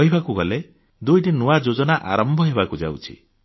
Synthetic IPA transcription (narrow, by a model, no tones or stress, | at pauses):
ɔɦibakuɡɔle | d̪ujʈinuad͡ʒod͡ʒɔnaʔa̰ɾɔmbʱɔɦebakud͡ʒa̰wt͡ʃʰḭ